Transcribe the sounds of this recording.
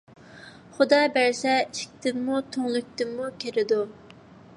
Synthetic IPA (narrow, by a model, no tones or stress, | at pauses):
χʊd̪ɑːbæɾsɛiʃkʲt̪ɪmːut̪ʰoŋlˠyk̚ʲt̪ɪmːukʲʰeɾɪd̪u